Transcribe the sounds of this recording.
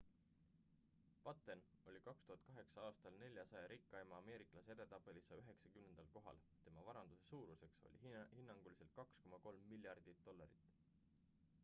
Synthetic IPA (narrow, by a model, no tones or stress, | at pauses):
pɑt̪ːˑeno̞lʲikɑkst̪uhɑt̪̚ˑkɑɦe̞ksɑɑːst̪ɑlne̞lʲjɑsɑjɑɾikˑːɑemɑːme̞ːɾiklɑsed̪e̞t̪ɑpːˑelisɑyɦe̞ksɑkymne̞nd̪ɑlko̞ɦɑ̰l | t̪e̞mɑvɑɾɑnd̪̥use̞suːɾuse̞kso̞̰lʲihinːɑŋɡ̥ulise̞lt̪̚kɑksko̞mɑko̞lmːilʲjɑrd̪̥it̪d̪̥o̞lːɑɾḭt̪ːˑ